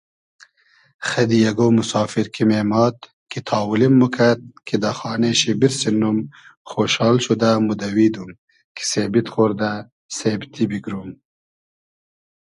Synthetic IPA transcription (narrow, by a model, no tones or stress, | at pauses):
xad̪ijaɡomʊsɑːfɪɾkʰimemɑːt̪ | kit̪ʰɑːwulimːukʰad̪̚kʰed̪axɑːneʃebiɾsenumxoʃɑːlʃud̪amud̪awid̪um | kʰi̥sebit̪xoːɾd̪a | sebt̪ibiɡɾum